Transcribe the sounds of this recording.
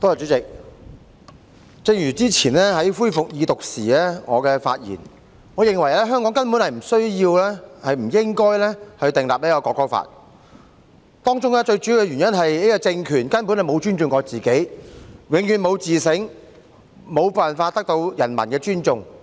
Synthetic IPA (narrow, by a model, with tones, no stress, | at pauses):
t̪oː˥ja˨˩t͡ʃyː˨˥t͡sɪ˨k̚ | t͡sɪ˧ŋjyː˨˩t͡siː˥t͡sʰiː˨˩nlɛː˥hɐ˨˥jfuː˥jfʊ˨k̚jiː˨˧t̪ʊ˨k̚siː˨ɛː˥ŋɔ̰ː˨˧kɛː˧fa̰ː˧t̚jḭː˨˩n | ŋɔː˨˧jɪ˨ŋwɐ˨˩jlɛː˥ɦœː˥ŋkɔː˨˥ŋkɐ˥npnhɐ˨jm̩˨˩sɵ˥ɥjiː˧wlɛː˥hɐ˨jm̩˨˩jɪ˥ŋkɔː˥jlɛ˥hɵ˧t̪ɪ˨ŋlaː˨p̚liː˦˥kɔ˧kɔː˧kːɔː˥fa̰ː˧t̚ | t̪ɔː˥ŋt͡sʊ˥ŋlɛː˥t͡ʃɵ˧ɥt͡ʃyː˨˥jkɛ˧ɥyː˨˩njɐ˥nɦɐ˨ji˥kɔ˧t͡sɪ˧ŋkʰyː˨˩nkɐ˥npu˨˥nhɐ˨jmo˨˧wt͡ʃyː˥nt͡sʊ˨˧ŋkɔː˨˧t͡siː˨ke˨˥jwɪ˨˥ŋjyː˨˧nmo˨˧wt͡siː˨sɪ˨˥ŋ | mo˨˧wpaː˨˩nfaː˧t̚t̪k̚t̪o˧wjɐ̰˨˩nmɐ˨˩nkɛː˧t͡ʃyː˥nt͡ʃʊ˧ŋ